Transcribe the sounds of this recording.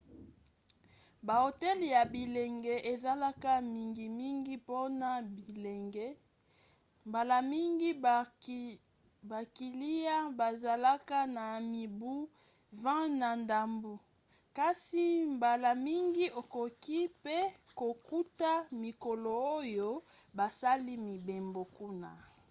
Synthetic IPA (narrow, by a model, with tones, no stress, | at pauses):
ba˨ho˨tɛ˦lja˨bi˨le˨ŋɡɛ˨ʔe˨za˦la˦ka˦mi˨ŋɡi˨mi˦ŋɡi˦po˦na˨bi˨le˨ŋɡɛ˦ | mba˨la˨mi˦ŋɡi˦ | ba˨ki˨li˦ja˦ba˨za˨la˦ka˦na˨mi˨bu˦ | vã˦na˨nda˨mbo˨ | ka˦si˨mba˨la˨mi˦ŋɡi˦o˨ko˨ki˦pe˦ko˨ku˦ta˦mi˨ko˨lo˨o˦jo˦ba˨sa˦li˦mi˨be˨mbo˨ku˦na˨